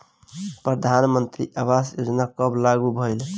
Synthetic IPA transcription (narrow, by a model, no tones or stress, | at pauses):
pɾəd̪ʱanmənt̪ɾiʔabasod͡ʒnakəblaɡubʱəɪl